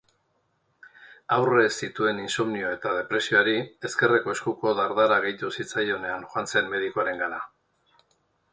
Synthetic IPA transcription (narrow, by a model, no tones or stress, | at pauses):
awre̞sit̪ue̞ninsomnio̞e̞t̪að̞e̞pɾe̞sio̞aɾie̞ske̞re̞ko̞e̞skuko̞ðaɾðaɾaɣ̞e̞jt̪usit͡sajo̞ne̞anxoant͡se̞mme̞ð̞ikoaɾe̞ŋɡana